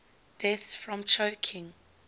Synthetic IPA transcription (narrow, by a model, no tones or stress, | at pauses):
d̥ɛθsfɹɔ̃mt͡ʃʰəʊkʰɪ̃ŋ